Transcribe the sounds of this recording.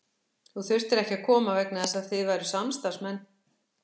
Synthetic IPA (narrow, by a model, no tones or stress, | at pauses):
θuθʏr̥t̪ɪɾɛhcɪakʰɔːmavɛknaðɛsaðθɪðvajɾʏsamst̪aɾ̥smɛnː